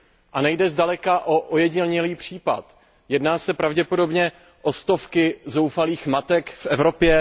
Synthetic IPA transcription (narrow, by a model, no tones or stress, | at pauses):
ʔanɛjdɛzdalɛkaʔoʔojɛɟɲɪlɲɛliːpr̝̥iːpat̪ | jɛdnaːsɛpɾavɟɛpo̞do̞bɲɛ | ʔost̪o̞fkɪzo̞wfaliːxmat̪ɛkfʔɛvɾo̞pjɛ